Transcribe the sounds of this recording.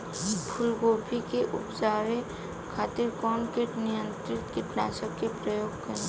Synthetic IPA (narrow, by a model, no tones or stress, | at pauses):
pʰʊlɡoːpʰikeʔʊpd͡ʒaːʋe | kʰaːt̪ɪɾkɔːnkeʈnɪjə̃nt̪ɾɪt̪kepla̰ːsəkːepɾəjoːɡkəɾẽ